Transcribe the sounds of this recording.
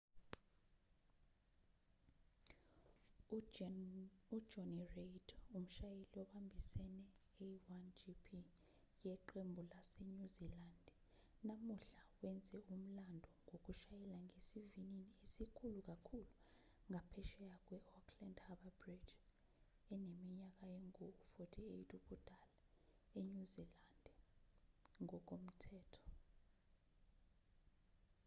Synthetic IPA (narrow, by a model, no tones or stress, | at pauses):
ud̥d͡ʒɔniredum̩ʃajeliɔɓambʱisɛnɛ | eiwand͡ʒipʰi | jɛǃembʱulaseɲuziland | namuɬawɛnd͡zʱɛum̩landʱɔŋok̬uʃajɛlaŋesivininiesikʰuluk̬akʰulu | ŋʱapʰɛʃɛjak̬ʼwɛɔkʰlandhaɓabrid͡ʒ | ɛnemiɲak̬ajeŋuufotʰiejtʰʼuɓud̥ʱala | eɲuzilandʱɛ | ŋɔk̬ʼom̩tʰɛːtʰɔ̥